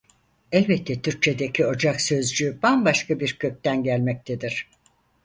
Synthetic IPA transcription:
ɛlʲbɛt̪ʰːɛt̪ʰyɾc̚t͡ʃʰe̞d̪ecʰio̞d͡ʒaksø̞zd͡ʒybanbaʃkʰabiɾcʰø̞c̚ʲt̪ænɟælʲmɛc̚t̪ʰed̪iɾ̥

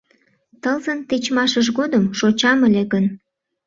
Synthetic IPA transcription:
t̪əlzənt̪et͡ɕmɑʃəʃɣod̪əmʃot͡ɕɑməleɣən

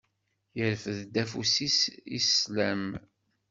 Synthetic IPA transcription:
jəɾfəðd̪æfusisḭslæm

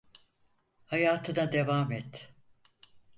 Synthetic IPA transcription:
hajaːt̪ʰɯnad̪e̞vamɛt̪

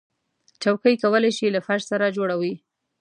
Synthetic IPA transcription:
t͡ʃawkəjkawəlajʃilafaʃsaɾad͡ʒoɽawi

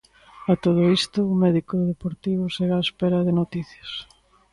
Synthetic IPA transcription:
ɐt̪oð̞oist̪ʊːmɛðikoððepoɾt̪iβoseɣaespɛɾɐðɪnot̪iθjɐs

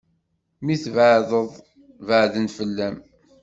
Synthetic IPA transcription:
miθvəʕðəðˤ | vəʕðənfəlːæm

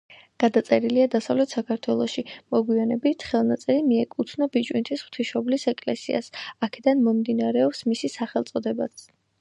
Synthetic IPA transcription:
ɡ̥ad̪at̪sʼɛɾiliad̪asavlɛt̪ʰsakʰaɾt̪ʰwɛlˠɔʃimɔɡwianɛbit̪ʰχɛlˠnat̪sʼɛɾimiɛkʼut̪ʰnɔbit͡ʃʼwḭnt̪ʰisχt̪ʰiʃɔblisɛkʼlɛ̰sḭa̰sakʰɛd̪anmɔmd̪inaɾɛɔpsmisisaχɛlˠt̪sʼɔd̪ɛba̰t̪s

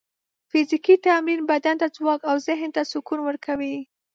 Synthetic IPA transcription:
fizikit̪aminbad̪ant̪ad͡zwɑkawzɪɦnt̪asʊkunwəɾkʰawi

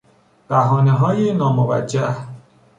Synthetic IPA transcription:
b̥æɦɒːneɦɒːjenɒːmovæ̰d͡ʒːæh

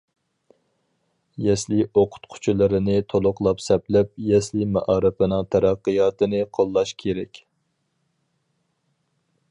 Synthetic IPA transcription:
jɛslioqʰʊ̥t̪qʰʊ̥t͡ʃʰulˠɨɾɪnɪt̪ʰolˠʊqlˠɑpsɛplɛp̚jɛslimɛ̰ʔɑːɾɨpɨnɨŋt̪ʰæɾɑqːɨjɑːt̪ʰɨnɨqʰolˠːɑʃkʲʰeɾɛkʲ

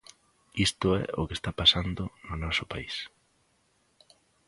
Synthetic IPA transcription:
ist̪ʊɛ̰o̰kest̪apasand̪ʊnʊnɔsopais

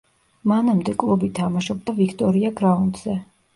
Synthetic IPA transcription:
manamd̪ɛkʼlˠubit̪ʰamaʃɔb̚d̪avikʰt̪ʼɔɾiaɡɾaund̪z̥ɛ

